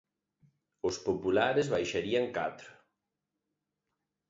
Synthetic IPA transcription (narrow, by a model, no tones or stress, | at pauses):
ʊspopulaɾezβajʃaɾiaŋkat̪ɾʊ